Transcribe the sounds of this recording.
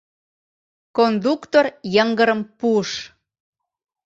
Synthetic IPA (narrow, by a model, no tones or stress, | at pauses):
kond̪ukt̪orjəŋɡəɾəmpuəʃ